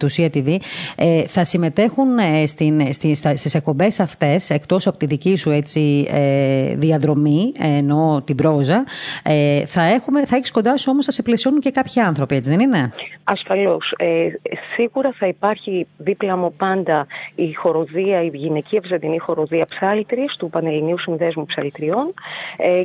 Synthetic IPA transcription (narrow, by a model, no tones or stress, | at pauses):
t̪usiɐt̪ivieθɐsime̞t̪e̞xunest̪inst̪isɐst̪ise̞k̚po̞mbe̞sɐft̪e̞se̞kt̪o̞sɐpo̞t̪iðicisue̞t͡sieðiɐðɾo̞mieno̞t̪ibɾo̞zɐeθɐe̞xumeθɐeçi̥sko̞nd̪ɐsuo̞mosθɐseplesio̞nunce̞kɐpçiɐnθɾo̞pie̞t͡siðe̞nine̞ɐsfɐlo̞sesiɣuɾɐθɐipɐɾçiðiplɐmo̞pɐnd̪ɐixo̞ɾo̞ðiɐiʝineciɐvzɐnd̪inixo̞ɾo̞ðiɐpsɐlt̪ɾist̪upɐneliniusinðe̞zmupsɐlit̪ɾio̞ne